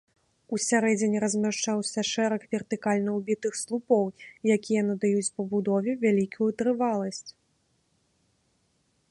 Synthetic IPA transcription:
usʲaɾɛd͡zʲenʲiɾɐzʲmʲaʂt͡ʂawsʲɐʂɛɾɐkvʲɛrt̪ɨkalʲnɐwbʲit̪ɨxslˠupɔwjakʲijɐnɐd̪ajut͡sʲpɐbud̪ɔvʲɛvʲalʲikujut̪ɾɨvalˠɐsʲt͡sʲ

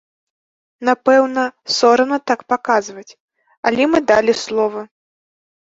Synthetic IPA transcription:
napɛwnɐsɔɾɐnɐt̪akpakazvɐt͡sʲ | alʲɛmɨd̪alʲislˠɔvɐ

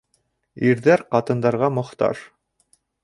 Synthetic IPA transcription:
iɾðæɾqɑt̪ɤ̆nd̪ɑɾʁɑmŏχt̪ɑ̰ʃ

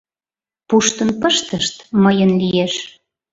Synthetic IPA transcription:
puʃt̪ənpəʃt̪əʃt̪məjənlijeʃ

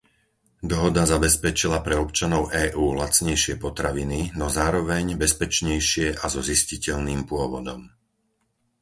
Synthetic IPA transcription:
d̪ɔɦɔd̪azabɛspɛt͡ʃilapɾɛɔpt͡ʃanɔʊʔɛːʔuːlat͡sɲɛjʃɪɛpɔt̪ɾaʋininɔzaːɾɔʋɛɲbɛspɛt͡ʃɲɛjʃɪɛʔazɔziscicɛʎniːmpʊɔʋɔd̪ɔm

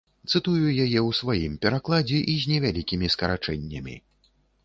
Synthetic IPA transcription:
t̪sɨt̪ujujajɛwsvajimpʲɛɾaklˠad͡zʲɛʔizʲnʲɛvʲalʲikʲimʲiskɐɾa̰t͡ʂɛnʲːɐ̰mʲḭ

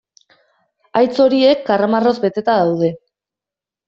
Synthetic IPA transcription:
ajt͡so̞ɾie̞kːaramaro̞zbe̞t̪e̞t̪aðawð̞e̞

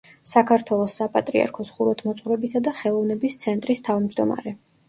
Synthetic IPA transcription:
sakʰaɾt̪ʰwɛlˠɔsːapʼat̪ʼɾia̰ɾkʰɔsχuɾɔt̪ʰmɔt̪sʼχʼuɾɛbisad̪aχɛlˠɔvnɛbist̪sʰɛnt̪ʼɾist̪ʰavmd͡ʒd̪ɔma̰ɾɛ

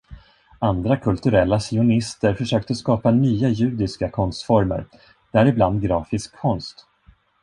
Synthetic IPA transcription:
and̪ɾakʰɵlt̪ɵɾɛlːasɪʊnɪst̪əɾfœʂøːk̚t̪əskɑːpanyːajʉ̟ːd̪ɪskakʰɔnst̪fɔɾmə̰ɾ | d̪̥ɛæɾɪbland̪̚ɡɾɑːfɪskʰːɔnst̪

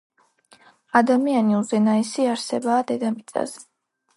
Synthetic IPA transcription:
ad̪amianiuzɛnaɛsiaɾsɛbaːd̪ɛd̪abit̪sʼa̰zɛ

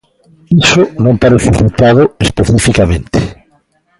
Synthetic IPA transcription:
isʊnõmpaɾʊsufit̪aðʊespeθifikamẽnt̪e̥

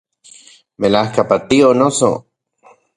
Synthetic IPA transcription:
melahkapat̪ionoso̰

